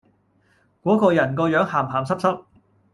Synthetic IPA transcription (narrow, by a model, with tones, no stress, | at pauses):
kʷɔː˨˥kɔː˧jɐ˨˩nkɔː˧jœː˨˥ŋhaː˨˩mɦaː˨˩msɐ˥p̚sɐ˥p̚